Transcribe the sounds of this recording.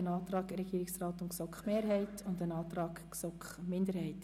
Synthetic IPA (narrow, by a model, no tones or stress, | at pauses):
ənɑːt̪rɑːɡɾɛɡ̥iːɾɪksrɑːtʊnksɔkχmeːɾɦɛɪtʰʊndənɑːt̪rɑːɡ | sɔkχmɪndəɾhɛɪt